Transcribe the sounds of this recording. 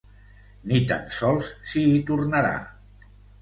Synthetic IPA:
nit̪a̰nsɔlˠssiːt̪urnaɾa̰

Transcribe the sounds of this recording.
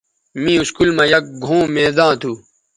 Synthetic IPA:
mĩːuskulmãjɐk̚ɡʱõːmẽːd̪ãːt̪ʰuː

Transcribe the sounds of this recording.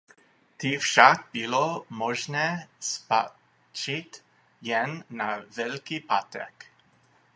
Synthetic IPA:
t̪ifʃakɡ̚bilomɔʒnɛːspa | t͡ʃit̪ | jɛnːavɛlkipat̪ɛ̰k

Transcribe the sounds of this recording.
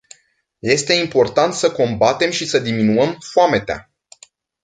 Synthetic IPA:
je̞st̪e̞impo̞rt̪ant̪səko̞mbat̪e̞mʃisəd̪iminuəmfoame̞t̪ea̰

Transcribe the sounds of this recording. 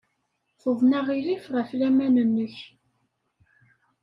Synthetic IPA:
χʊvnæʁilifʁæflæmænənːəç

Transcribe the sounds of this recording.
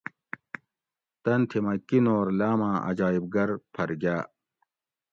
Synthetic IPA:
t̪ɐnt̪ʰimɐkːinoːɾlaːmãːʔɐ̰d͡ʑaːib̚ɡɐɾpʰɐɾɡʲjaː

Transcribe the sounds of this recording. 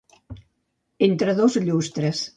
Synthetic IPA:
ent̪ɾəðozʎust̪ɾəs

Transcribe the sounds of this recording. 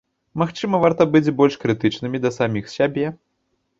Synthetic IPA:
maxt͡ʂɨmɐvart̪ɐbɨd͡zʲbɔlʲʂkɾɨt̪ɨt͡ʂnɨmʲid̪ɐsamʲixsʲabʲɛ

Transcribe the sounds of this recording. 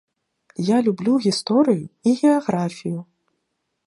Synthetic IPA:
jalʲublʲuɣʲist̪ɔɾɨjuiɣʲɛaɣɾafʲiju

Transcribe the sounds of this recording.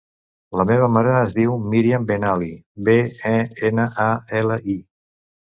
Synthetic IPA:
ləmeβ̞əmaɾəːzðiwmiɾiəmbenalibeɛenəʔaeləʔi

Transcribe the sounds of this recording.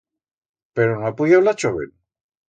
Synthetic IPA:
peɾonapujawlat͡ʃoβḛl

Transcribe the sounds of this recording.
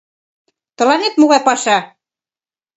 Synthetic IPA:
t̪ɤ̆lɑnet̪moɣɑjpɑʃɑ

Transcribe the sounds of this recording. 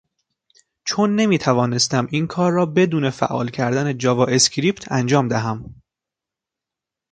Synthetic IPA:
t͡ʃʰonːe̞miːt̪ʰævɒːne̞st̪æmʔiːnkʰɒːɾːɒːbe̞d̪uːne̞fæ̰ʔːɒ̰ːlcʰæɾd̪æned͡ʒɒvɒːʔe̞scɾiːpt̪ʰænd͡ʒɒːmd̪æɦæm

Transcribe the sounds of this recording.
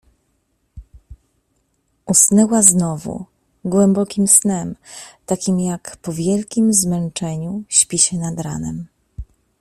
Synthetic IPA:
usnɛwaznɔvṵ | ɡwɛmbɔkʲimsnɛmt̪akʲimjakpɔvʲjɛlkʲimzmɛnt͡ʂɛɲuɕpʲiɕɛnad̪ɾa̰nɛm

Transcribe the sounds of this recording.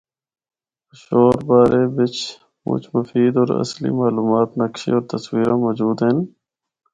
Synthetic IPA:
ʃoːɾbaːɾeːʋɪt͡ʃ | mʊ̰t͡ʃməfiːd̪ɔːɾə̰slḭːmaːluːmaːt̪nəkʃḭːɔːɾt̪əswiːɾãːmɔːd͡ʒuːd̪ɦen

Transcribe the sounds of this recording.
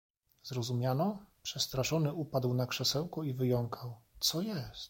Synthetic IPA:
zɾɔzumʲjanɔpʂɛst̪ɾaʂɔnɘʔupad̪wnakʂɛsɛwkɔivɘjɔŋkʰawt̪sɔjɛst̪

